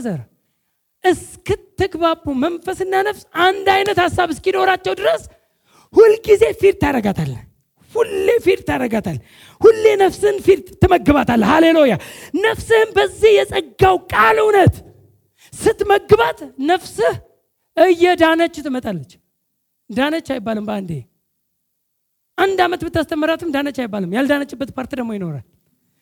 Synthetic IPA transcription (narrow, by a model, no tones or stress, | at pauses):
zəɾ | ʔɨskɨt̪ʰːɨɡbapːumənfəsɨnːanəfsand̪ajnət̪hasːaβɨskino̞ɾat͡ʃːɛwd̪ɨɾəs | hulɡize̞fiɾt̪ʰːaɾəɡat̪ʰalː | hulːefiɾt̪ʰaɾəɡat̪ʰal | hulːe̞nəfsɨnfiɾt̪ʰːɨməɡːɨβat̪ʰalːhalelojanəfsɨhɨnbəzːihjɛsʼəɡːawkʼalɨwnət̪ | sɨt̪məɡɨβat̪nəfsɨh | ʔɨjːɛd̪anət͡ʃʼːt̪ʰɨmət̪ʼalːət͡ʃː | d̪anət͡ʃːajbːalɨmbəand̪e | ʔand̪amət̪bɨt̪ːast̪ʰəmːəɾat̪ʰɨmd̪anət͡ʃːajɪbːalɨmjald̪anət͡ʃʼːɨbːət̪pʰaɾt̪id̪əmːo̞jɪno̞ɾa̰l